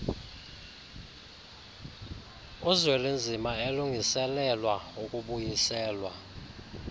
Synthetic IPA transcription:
uzwɛlend͡zʱimaeluŋʱisɛlɛlwaukʼuɓujisɛːlwa

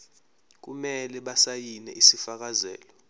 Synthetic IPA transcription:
k̬umɛlɛɓasajinɛʔisifak̬azɛ̰ːlɔ

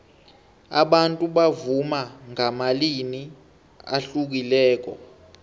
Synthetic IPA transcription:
a̰ɓantʼuɓavumaŋamalini | a̰ɬuk̬ilɛːk̬ɔ̰

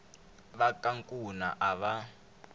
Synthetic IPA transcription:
βakʼaŋkʼuna̰ʔaβa

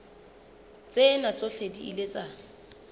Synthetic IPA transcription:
t͡sʼenat͡sʼoɬediḭlet͡sʼa

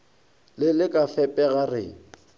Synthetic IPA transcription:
lɪlɪkʼafɛpʼɛɣarɪ̰

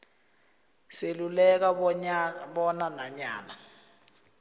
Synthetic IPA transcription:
selulɛk̬a | ɓɔnanaɲaːna

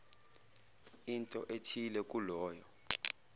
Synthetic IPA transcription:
intʼɔ̰ʔetʰilɛk̬ʼulɔːjɔ

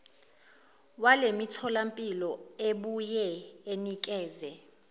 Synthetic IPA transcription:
walemitʰɔlampʼilɔeɓujɛenikʼɛːzɛ

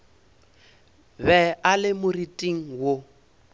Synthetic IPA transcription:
bɛalɪmʊritʼiŋ̩wo

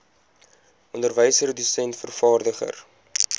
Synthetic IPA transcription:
ɔndərvəjsərədysɛntfərfɑːrdəχə̰r

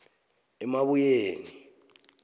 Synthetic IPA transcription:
ɛmaβujeːni

